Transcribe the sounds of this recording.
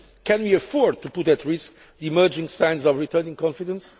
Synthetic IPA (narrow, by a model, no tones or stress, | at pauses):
kɛ̃nwiɨfɔɹd̪̚t̪upʊt̪ɨtɹɪsk̚ | ðiimɜ˞d͡ʒɪ̃ŋsãj̃nzɔvɹitʰɜnĩŋkɔ̃nfidə̃ns